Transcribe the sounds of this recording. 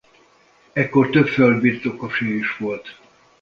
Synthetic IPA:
ɛkːort̪øpføld̪birt̪o̞koʃeiʃʋo̞lt̪

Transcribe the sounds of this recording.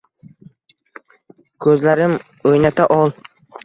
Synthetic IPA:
kʰɵzlaɾɪm | ojnat̪ʰaʔɒlˠ

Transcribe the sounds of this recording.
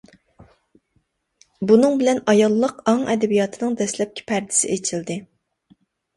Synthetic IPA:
bunɨŋbɪlɛnɑjɑlˠːəqɑŋɛd̪ɛbijɑt̪ʰɨnɨŋd̪ɛslɛp̚kʲʰɪ̥pʰɛɾd̪ɪ̥sɪʔet͡ʃʰild̪ɪ

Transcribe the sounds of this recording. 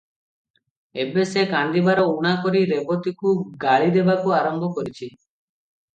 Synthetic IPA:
ebesekãnd̪ibaɾɔuɽ̃akɔɾiɾebɔt̪ikuɡaɭid̪ebakuaɾɔmbʱɔkɔɾit͡ʃʰi

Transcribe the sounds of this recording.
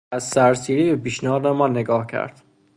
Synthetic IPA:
æzsæɾsiːɾiːbepiːʃnæɦɒːd̪emɒːnːeɡɒːhcʰæ̰ɾd̪̥

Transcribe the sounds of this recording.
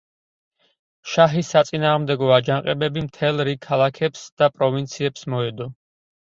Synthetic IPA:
ʃaɦisːat̪sʼinaːʁmd̪ɛɡɔad͡ʒanqʼɛbɛbimt̪ʰɛlˠɾikʰːalˠakʰɛpsd̪̥apʼɾɔvint̪sʰiɛpsmɔɛd̪ɔ

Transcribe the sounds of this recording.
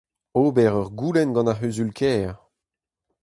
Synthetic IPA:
oːbɛʁœʁɡuːlɛnɡɑ̃naɦyzylkʰɛːʁ

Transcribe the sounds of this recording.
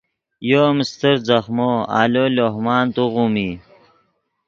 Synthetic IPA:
joːmist̪əɾzɐxmoa̰ːloloɦmaːnt̪uʁumi

